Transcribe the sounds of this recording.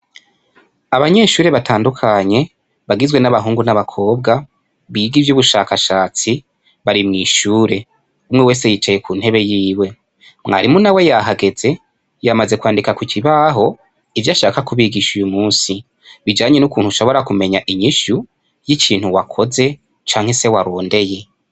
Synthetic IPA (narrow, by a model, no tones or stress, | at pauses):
aβaɲe̞ʃuːɾe̞βatʰaːndukʰaɲe̞ | βaɡizwe̞naβaɦuːŋɡunaβakʰo̞ːbɡa | βiɡivjuβuʃaːkaʃaːt͡si | βaɾimŋiːʃuːɾe̞ | umŋe̞weːse̞jit͡ʃaje̞kʰuːn̥he̞βe̞jiːwe̞ | mŋa̰ɾimunawe̞jaɦaɡe̞ze̞ | jamaze̞kwaːndikakucʰiβaɦo̞ | ivjaʃaːkakuβiɡiʃujumuːnsi | βid͡ʒaːɲe̞nukuːn̥huʃo̞βo̞ɾakume̞ɲaʔiɲiʃu | jicʰiːn̥huwakʰo̞ze̞ | t͡ʃaːŋhe̞se̞waɾo̞ːnde̞je̞